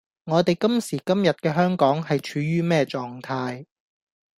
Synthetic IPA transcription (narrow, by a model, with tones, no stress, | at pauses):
ŋɔː˨˧t̪e˨jkɐ˥msiː˨˩kɐ˥mjɐ˨t̚kɛː˧ɦœː˥ŋkɔː˨˥ŋhɐ˨jt͡ʃʰyː˨˧˥ɥyː˥mɛː˥t͡ʃɔː˨ŋt̪ʰaː˧j